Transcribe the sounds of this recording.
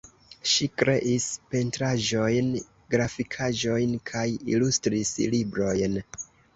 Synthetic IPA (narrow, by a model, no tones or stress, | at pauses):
ʃikɾe̞ʔispe̞ntɾaʒo̞jn | ɡɾafikʰaʒo̞jnkʰajḭlustɾislibɾo̞jn